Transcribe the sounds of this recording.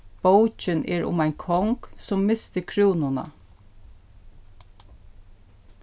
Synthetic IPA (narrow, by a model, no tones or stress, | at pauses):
b̥owt͡ʃɪnʔɛːɹʊ̰maɪnkʰɔŋksʊmːɪst̪əkʰɹuːnʊna̰